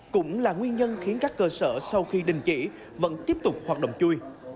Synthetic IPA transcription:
kʊ̰˧˥ŋ͡mlaː˨˩ŋwi˧ənɲə˧nxi˨˦ənkaː˦˥kːəː˧səː˧˩sa˧wxi˧ɗï˨˩ŋ̟t͡ɕḭ˧˥ | və̰˧˥nt̪i˦˥əp̚t̪ʊ˨˩k͡p̚hwaː˨˩t̚ɗə̰˧˨ŋ͡mt͡ɕu˧j

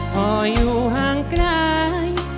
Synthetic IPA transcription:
ʔɔ˧juː˧ɦaː˧ŋkɾa˧j

